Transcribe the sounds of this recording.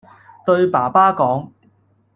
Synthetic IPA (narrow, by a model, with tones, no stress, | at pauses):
t̪ɵ˧ɥpaː˨˩paː˥kɔː˨˥ŋ